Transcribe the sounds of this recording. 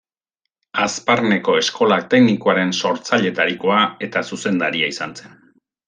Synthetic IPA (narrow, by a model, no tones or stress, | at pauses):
asparne̞ko̞e̞sko̞lak̚t̪e̞knikoaɾe̞nso̞ɾt͡saʎe̞t̪aɾiko̞ae̞t̪asuse̞nd̪aɾiaisanse̞n